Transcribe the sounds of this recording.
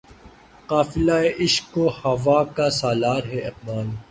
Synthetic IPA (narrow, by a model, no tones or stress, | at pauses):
qaːfɪlaːeʔɪʃkːohɐʋaːkasaːlaːɾɦɛɪq̚maːl